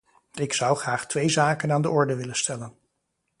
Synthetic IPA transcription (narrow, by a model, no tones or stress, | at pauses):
ɪksʌwχraːχtʋejzaːkənaːndəʔɔɹdəʋɪlənstʰɛlən